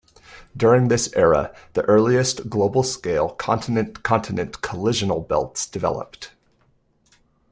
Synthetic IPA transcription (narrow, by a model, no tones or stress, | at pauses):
d̥ʊɹɪ̃ŋðɪsɛɹə̰ðiʔɜ˞lˠiɨstɡ̥loʊbl̩ˠskeɪlˠkʰɑ̃ntʰɨnɨ̃nkʰɑ̃ntʰɨnɨ̃nkʰəlɪʒɨn̩l̩ˠbɛ̰lˠtsd̥ɨvɛ̰lˠə̰p̚t